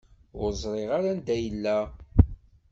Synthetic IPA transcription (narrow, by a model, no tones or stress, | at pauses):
ʊɾzˤɾˤɪʁaɾand̪æjəlːæ